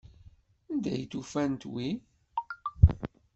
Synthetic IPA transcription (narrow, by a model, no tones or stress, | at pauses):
ənd̪æjt̪ufænt̪wi